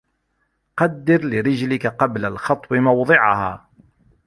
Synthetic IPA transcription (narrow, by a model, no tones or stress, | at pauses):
qɑd̪ːɪɾlɪɾɪd͡ʒlɪkaqɑblalxɑt̪ˤːbɪmɑwd̪ˤɨʕaha̰ː